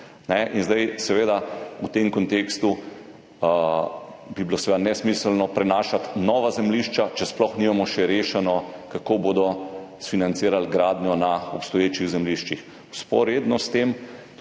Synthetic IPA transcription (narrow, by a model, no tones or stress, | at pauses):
nɛʔinzd̪ajsɛʋeːd̪aut̪emkɔnt̪eːkst̪u | biblosɛʋed̪anɛsmislnɔpɾɛnaːʃat̪nɔːʋazɛmliʃt͡ʃat͡ʃɛsplɔxnimamɔʃɛɾeːʃɛnɔkakoːboːd̪ɔsfinant̪siːɾalɡɾaːd̪njɔnaɔpst̪ɔjeːt͡ʃiɣzɛmliʃt͡ʃix | spɔ̰ɾjed̪nɔst̪eːm